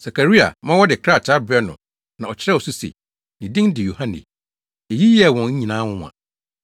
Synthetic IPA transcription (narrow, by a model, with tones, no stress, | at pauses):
sa˨kʰa˨ɾi˦a̰˨mã˦wɔ˦dɪ˨kʰɾa˦˨t͡ɕʰa˦bɛ˦nʊ̃˨ | nã˨ɔ˨t͡ɕʰɪ˦ɾɛ˦ɔ˨su˦sḛ˨ | nɪ̃˨dɪ̃˦ŋ˦dɪ˨jo˨hã˦nḛ˨ | e˨ji˦jɛ˦˨wɔ̃˨ɲ̩˦ɲĩ˨nã˦wʊ̃˦˨a̰˨